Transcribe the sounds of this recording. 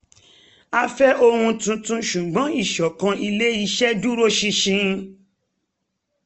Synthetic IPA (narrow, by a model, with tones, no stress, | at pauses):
a˧fɛ˦ʔo˧hũ˧tũ˧tũ˧ʃũ˨ɡ͡bɔ̃˨˦i˦˨ʃɔ˨kã˧i˧le˦i˧ʃɛ˦du˦ɾo˦ʃi˧ʃĩ˧